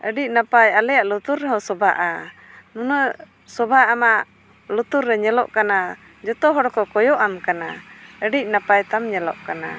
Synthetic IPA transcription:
ʔəɖiʔ̚napajalɛjaʔlut̪uɾːɛɦɔsɔba̰ʔa | munə | sɔbaamaʔ | lut̪uɾːɛɲɛlɔ̰ʔkana | d͡ʒɔt̪ɔɦɔɽɔkɔkɔjɔʔamkanaəɖiʔ̚napajt̪amɲɛlɔ̰ʔkana̰

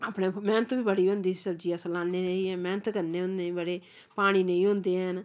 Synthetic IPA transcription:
aːpɳeːmɛːnət̪biːbəɽiːɦʊ̃ːnd̪iːsiːsəb̚d͡ʒiːəsəlãːneːeiːɛ̃ːmɛːnət̪kəɾneːʊ̃nd̪ẽbəɽeː | paːɽ̃iːnəĩːɦʊ̃nd̪eːɦən

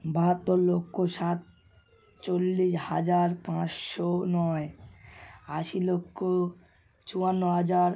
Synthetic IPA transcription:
baɦat̪ːoɾlokʰːoʃat̪̚ | t͡ɕolːiʃhad͡ʑaɾpãt͡ɕʃonɔe | aʃilokʰːo | t͡ɕuanːoɦad͡ʑaɾ

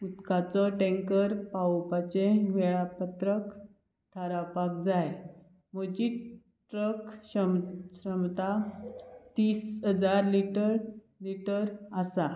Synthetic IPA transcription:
ut̪kat͡sɔʈẽŋkəɾpawpat͡ɕẽʋɛɭapət̪ɾək | t̪ʰaɾapak̚d͡zaj | mod͡ʑi | ʈɾəkɕəmɕəmt̪a | t̪iːsɦəd͡zaɾliʈəɾ | liʈəɾasa

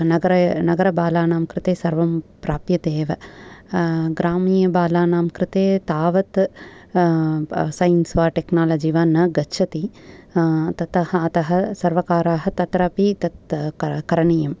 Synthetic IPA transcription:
nɐɡɐɾɐnɐɡɐɾɐbaːlaːnaːmkɾɪt̪eːsɐɾʋɐmpɾaːpjɐt̪eːʋɐ | ɡɾaːmiːjɐbaːlaːnaːmkɾɪt̪eːt̪aːʋɐt̪ | sɐjnsʋaːʈeknaːlɐd͡ʒiʋaːnːɐɡɐtːʃʰɐt̪i | t̪ɐt̪ɐhɐɐt̪ɐɦɐ̆sɐɾʋɐkaːɾaːɦɐt̪ɐt̪ɾɐpit̪ɐt̪kɐɾɐɳijɐm

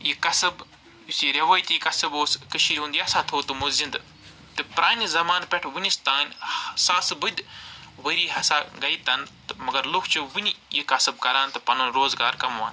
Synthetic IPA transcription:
jikɐsɐb | usiɾɐʋaːjt̪ijikɐsɨboːskɨʃʰiɾʲũnd̪ijɐsãːt̪ʰoːt̪ɨmuzĩnd̪ɨ | t̪ɨpɾaːnʲizɐmaːnpʲeʈʰʋinist̪aːnʲsaːsɨbɨd̪ʲʋəɾiːɦɐsaːɡɐjt̪ɐnt̪ɨmɐɡɐɾlokʰt͡ʃɨʋɨnʲijikɐsɐb̚kɐɾaːnt̪ɨpɐnunɾoːzɡaːɾkɐmʋa̰ːn

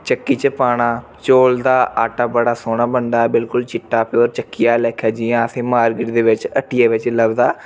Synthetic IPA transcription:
t͡ʃəkːiːt͡ʃəpaːɽaːt͡ʃoːld̪aːʔaːʈaːbəɽaːsoːɽaːbənd̪aːbɪlkʊlt͡ʃɪʈːaːpoːɾt͡ʃəkːɪjaːlɛːkʰjaːd͡ʒiːãəsʰẽːmaːɾɡɪʈd̪eːʋɪt͡ʃəʈːɪjaːʋɪt͡ʃləbd̪aː

